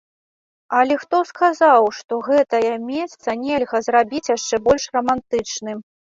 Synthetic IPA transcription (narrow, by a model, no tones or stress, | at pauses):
ɐlʲɛxt̪ɔskazawʂt̪ɔɣɛt̪ɐjɐmʲɛst̪sɐnʲɛlʲɣɐzrabʲit͡sʲjaʂt͡ʂɛbɔlʲʂrɐmant̪ɨt͡ʂnɨ